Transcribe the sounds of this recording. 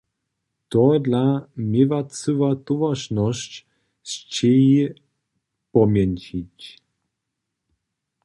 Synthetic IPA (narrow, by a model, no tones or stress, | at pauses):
t̪ɔd̪lamʲɪvat͡sɨvat̪uvaʃnɔɕt͡ɕ | st͡ɕɛji | pɔmʲjɛnʲt͡ɕit͡ɕ